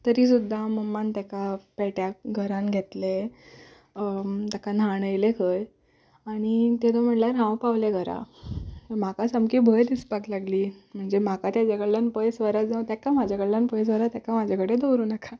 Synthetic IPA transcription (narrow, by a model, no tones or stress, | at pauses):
t̪əɾiːsud̪ʱːaməmːant̪jakapɛɭʈjaɡʱəɾãnɡʱet̪le | t̪akanaɳəjlekʰəj | aɽ̃it̪ed̪om̤əɳʈljaɾɦãwpaʋleɡʱəɾa̰ | m̤akasamkiːbʱəjd̪ispaklaɡliːm̤əɳd͡zem̤akat̪jat͡ɕaɡəɭlanpəjsʋəɾad͡zãwt̪jakamad͡ʑʱakəɽlanpəjs̬ʋəɾat̪jakamad͡ʑʱakəɽed̪owɾuːnakʰa